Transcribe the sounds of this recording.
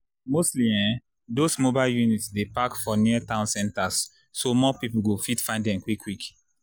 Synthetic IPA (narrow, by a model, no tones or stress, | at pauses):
mostliɛ̃ | dosmobaljunitsdepakfɔniatãʊ̃nsɛ̃ntasː | omɔpipul̩ɡofitfãɪ̃nddɛ̃mkwikʰːwik